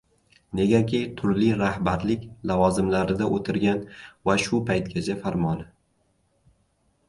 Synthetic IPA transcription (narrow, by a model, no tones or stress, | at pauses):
ne̞ɡʲakʲɪjt̪ʰʊɾliɾahbaɾlɪkʲlavɒzɪmlaɾɪd̪aʔot̪ʰɪɾɡʲanvaʃʊpʰajt̪̚kʲʰat͡ʃʰafaɾmɒnɪ